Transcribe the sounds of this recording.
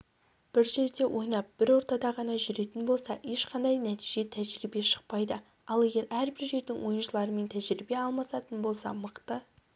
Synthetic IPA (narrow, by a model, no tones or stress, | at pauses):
b̥ɪɾʒe̞ɾd̪e̞wʔo̞jnɑp̚b̥ɪɾwo̞ɾt̪ɑd̪ɑʁɑnɑʒʏɾe̞t̪ɪnbo̞lˠsɑje̞ʃqʰɑnd̪ɑjnæt̪i̥ʒe̞t̪ʰæʒɾibe̞ʃə̥q̚pɑjd̪ə | ɑlˠe̞ɡʲe̞ɾæɾbɪɾʒe̞ɾd̪ɪŋwo̞jənʃəlˠɑɾəme̞nt̪ʰæʒɾibe̞ɑlˠmɑsɑt̪ənbo̞lˠsɑ̰məqt̪ə